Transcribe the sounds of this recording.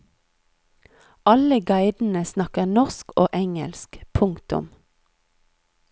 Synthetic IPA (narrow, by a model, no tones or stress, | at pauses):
ʔɑləɡɑɪd̪n̩əsnɑkənɔʁskoːʔɛŋə̰lskpʰʊŋt̪ʊ̰m